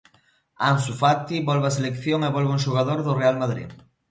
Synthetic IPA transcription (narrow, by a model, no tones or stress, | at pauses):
ansufat̪iβɔlβaselekθjoŋeβɔlβuŋʃuɣaðoɾðorealmaðɾḭð